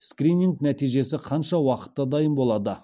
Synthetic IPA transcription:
skɾʲinʲiŋɡnæt̪ijʒe̞sɪqʰɑnʃɑwɑqə̥t̪ːɑd̪ɑjəmbo̞lˠɑd̪ə

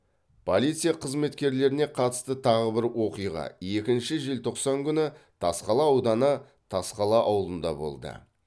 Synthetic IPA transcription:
pʰo̞lˠit̪sɨjaqʰəzme̞t̪kʲe̞ɾle̞ɾɪne̞qʰɑt̪ə̥st̪ət̪ʰɑʁəbɪɾwo̞qijʁɑ̰e̞kʲɪnʃɪʒe̞lt̪ʰo̞qsɑŋkʲʰʏnɪt̪ʰɑsqɑlˠɑːwd̪ɑnə | t̪ʰɑsqɑlˠɑʔɑwəlˠənd̪ɑ̰bo̞̰lˠd̪ə̰

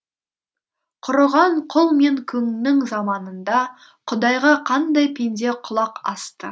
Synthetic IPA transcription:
qʰʊɾəʁɑɴqʰʊlˠme̞ŋkʲʰɵŋnɪŋzɑmɑnənd̪ɑ | qʰʊd̪ɑjʁɑqʰɑnd̪ɑjpʰend̪e̞qʰʊlˠɑqɑ̰st̪ə

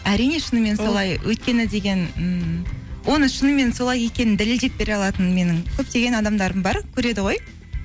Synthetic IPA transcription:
æɾijne̞ʃənəme̞nso̞lˠɑjwʔɵt̪kʲe̞nɪd̪e̞ɡʲe̞nə | wʔo̞nəʃənəme̞nso̞lˠɑje̞kʲe̞nɪnd̪ɪlld̪e̞p̚be̞ɾeɑlˠɑt̪ənme̞nɪŋkʲʰɵp̚t̪e̞ɡʲe̞nɑd̪ɑmd̪ɑɾəmbɑɾkʲʰɵɾe̞d̪ɪʁo̞j

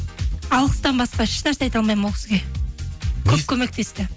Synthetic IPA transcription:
ɑlˠəqə̥st̪ɑnbɑsqɑɪʃnæɾseɑjt̪ɑlˠmɑjmwokʲɪ̥sɪɡʲe̞ | kʲʰɵp̚kʲʰɵme̞k̚t̪e̞st̪ɪ

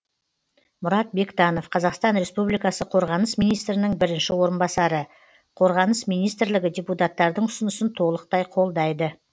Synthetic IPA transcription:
mʊɾɑt̪̚be̞kt̪ɑno̞fqʰɑzɑqst̪ɑnɾe̞spublijkɑsəqʰo̞ɾʁɑnəsmijnijst̪ɾɪnɪŋbɪɾɪnʃɪwo̞ɾənbɑsɑɾə | qʰo̞ɾʁɑnəsmijnijst̪ɪɾlɪɡʲɪd̪ʲeput̪ɑt̪ːɑɾd̪əɴʊsənəsənt̪ʰolˠəq̚t̪ɑjqʰo̞lˠd̪ɑjd̪ə

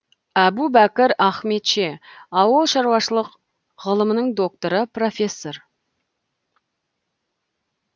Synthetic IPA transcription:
æbubækʲɪɾæχme̞t̪ʃe̞ɑwəlˠʃɑɾwɑʃəlˠəq | ʁəlˠəmənəɴd̪o̞k̚t̪oɾəpro̞fʲe̞sːo̞r

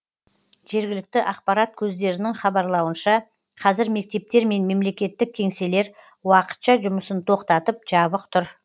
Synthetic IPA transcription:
ʒ̥e̞ɾɡʲɪlɪk̚t̪ɪʔɑqpɑɾɑt̪̚kʲʰɵzd̪e̞ɾɪnɪŋχɑbɑɾlˠɑwənʃɑ | qʰɑzɪɾme̞k̚t̪e̞p̚t̪e̞ɾme̞nme̞mle̞kʲe̞t̪ːɪk̚ʲʰe̞ŋse̞le̞ɾ | wɑqə̥t̪ʃɑʒʊməsənt̪ʰo̞qt̪ɑt̪əp̚ʒ̥ɑβəqt̪ʰʊɾ

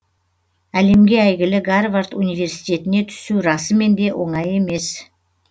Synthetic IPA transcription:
æle̞mɡʲe̞æjɡʲɪlɪɡarvart̪unijve̞rsi̥t̪ʲe̞t̪ɪne̞t̪ʰʏ̥suɾɑsəme̞nd̪e̞wʔo̞̰ɴɑje̞me̞s

